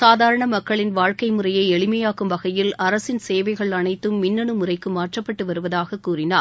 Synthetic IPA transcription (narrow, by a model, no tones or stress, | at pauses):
saːðaːɾɐɳɐmɐkːɐɭɪnʋaːɻkɐɪmɯrɐjɐɪɛɭɪmɐjaːkɯmʋɐɣɐjɪlɐɾɐsɪnseːʋɐɪɣɐɭɐɳɐɪt̪ːɯmːɪnːɐɳɯmɯrɐɪkːɯmaːʈrɐpːɐʈːɯʋɐɾɯʋɐðaːɣɐkːuːrɪnaːɾ